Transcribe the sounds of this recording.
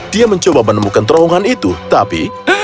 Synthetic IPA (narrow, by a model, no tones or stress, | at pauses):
d̥iaməɲt͡ʃobamənəmukant̪əɾoɦɔŋanit̪ut̪apḭ